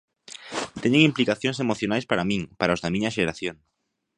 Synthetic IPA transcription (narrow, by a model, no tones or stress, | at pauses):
t̪eɲeŋimplikaθjoŋsemoθjonajspaɾamĩŋpaɾaozðamĩɲɐʃeɾaθjoŋ